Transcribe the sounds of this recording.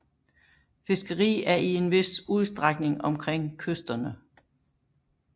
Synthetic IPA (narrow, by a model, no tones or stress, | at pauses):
fe̝sɡ̥əʁḭːæɐʔie̝nʋe̝suð̞ˠsd̥ʁaɡ̥ne̝ŋɒ̽mkʰʁeŋ̰kʰøsd̥ɐnə